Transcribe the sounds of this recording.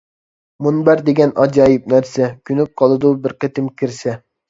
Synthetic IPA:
munbæɾd̪eɡʲɛnʔɑd͡ʒɑːjip̚næɾsɛkʲʰynyp̚qʰɑlˠɨd̪ubɪɾqət̪ɪmkʲʰiɾsɛ

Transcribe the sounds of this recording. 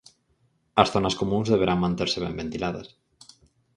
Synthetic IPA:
ɐsθonɐskomũŋzðeβ̞eɾaŋmãnt̪eɾseβẽmbent̪ilaðɐ̰s

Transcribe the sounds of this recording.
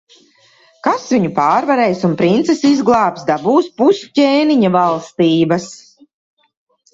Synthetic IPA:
kasviɲupaːɾvaɾɛjsunpɾint̪sɛsizɡlˠɑːpsd̪abuːspusceːniɲavalˠst̪iːbɐs

